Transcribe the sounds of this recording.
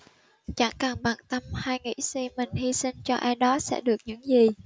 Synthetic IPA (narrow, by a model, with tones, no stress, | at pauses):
t͡ɕa˧˥˩ŋkaː˨˩ŋɓaː˨˩ŋt̪ə˧mhaː˧jŋḭ˧˥si˧mï˨˩ŋ̟hi˧sï˧ŋt͡ɕɔ˧ʔaː˧jɗɔ˨˦sɛ̰˧˥ɗɨ˨˩ək̚ɲɨ̰˧˥ŋzi˨˩